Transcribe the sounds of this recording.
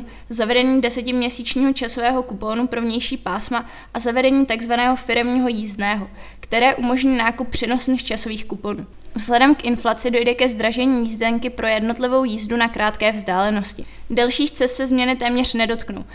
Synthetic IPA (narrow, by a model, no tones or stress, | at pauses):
zavɛdɛɲiːdɛsɛcɪmɲɛsiːt͡ʃɲiːɦo̞t͡ʃasovɛːɦo̞kuponupɾo̞vɲɛjʃiːpaːsma | ʔazavɛdɛɲiːt̪aɡzvanɛːɦo̞fɪɾɛmɲiːɦo̞jiːzdnɛːɦo̞kt̪ɛɾɛːʔumo̞ʒɲiːnaːkup̚ːr̝̥ɛno̞snixt͡ʃaso̞viːxkuponuː | vzɦlɛdɛmkʔɪnflat͡sɪdo̞jdɛkɛzd̪ɾaʒɛɲiːjizdɛŋkɪpɾʔo̞jɛdno̞t̪lɪvo̞wjiːzdunakɾʔaːt̪kɛːvzdaːlɛno̞scɪdɛlʃiːxt͡sɛst̪sɛzmɲɛnɪt̪ɛːmɲɛr̝̥nɛdo̞t̪kno̰w